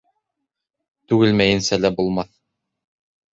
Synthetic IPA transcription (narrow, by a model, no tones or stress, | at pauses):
t̪ʉɡɘlmæjɘ̆nsælæbulˠmɑθ